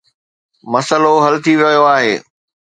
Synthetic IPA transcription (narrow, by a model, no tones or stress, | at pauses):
mɐsəloɦɐlt̪ʰiʋɐɦijoaːɦeː